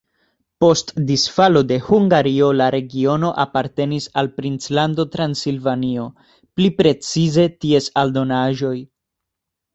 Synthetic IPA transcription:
po̞stdisfalo̞de̞huŋɡaɾio̞laɾe̞ɡio̞no̞ʔapaɾte̞nisalpɾint͡slando̞tɾansilvanio̞ | plipɾe̞t͡size̞tie̞saldo̞naʒo̞j

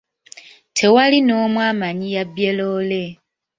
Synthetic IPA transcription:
tʰe̞walino̞ːmwaːmaɲijabjelole̞

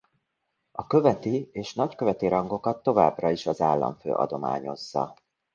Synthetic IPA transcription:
ɒkø̞vɛt̪ieːʃnɒckø̞vɛt̪iɾɒŋɡo̞kɒt̪ːo̞va̰ːbrɒiʃɒzaːlːɒ̰ɱfø̰ːʔɒ̰d̪o̞ma̰ːɲo̞zːɒ̰

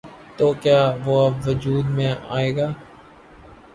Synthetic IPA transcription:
t̪oːkjaːʋoːəbʋʊd͡ʒuːd̪mẽːʔa̰ːeːɡaː

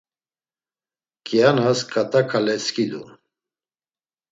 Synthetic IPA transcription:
kʰʼjanaskʼat̪ʼakʰalɛskʼid̪u

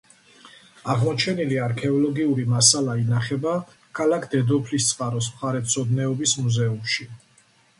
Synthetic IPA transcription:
aʁmɔt͡ʃʰɛniliaɾkʰɛɔlɔɡiuɾimasalainaχɛba | kʰalakʰd̪ɛd̪ɔpʰlist̪sʼqʼaɾɔs̬mχaɾɛt̪sʰɔd̪nɛɔbismuzɛumʃi

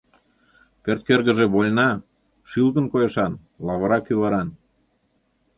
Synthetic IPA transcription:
kert̪̚kerɣəʒĕβolʲnɑ | ʃilkənkojɤ̆ʃɑn | lɑβɤ̆ɾɑkyβɑɾɑn

